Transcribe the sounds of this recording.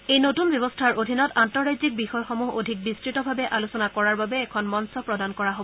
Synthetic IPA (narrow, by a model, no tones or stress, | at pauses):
ejnotunbjɔbɔstʰaɹʔodʱinɔtantɔɹajzik̚bixɔjxomuɦo̰dʱik̚bistɹitɔbʱabɛʔalusɔnakɔɹaɹbabɛːkʰɔnmɔnsɔpɹɔdankɔɹaɦobɔ